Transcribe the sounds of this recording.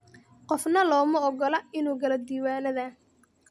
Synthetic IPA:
qɔfnɐlɔːmɐɔɡɔlɐɪnuːɡɐlɐd̪iːwaːnɐðɐ

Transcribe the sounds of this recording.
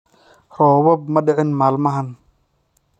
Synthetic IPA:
rɔːwɔb̚mɐɖɪʕɪnmaːlmɐɦɐn

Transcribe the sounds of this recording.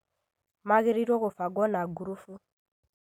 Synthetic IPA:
maɡeɾiɾokofaɡɔnaɡuɾufu

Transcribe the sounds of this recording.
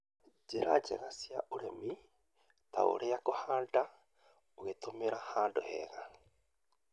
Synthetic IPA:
d͡ʒeɾa̰d͡ʒḛɣasjaʔuɾemi | ta̰o̰ɾʔeakohanda | oɣetomeɾahaːndohɛ̰ɣa

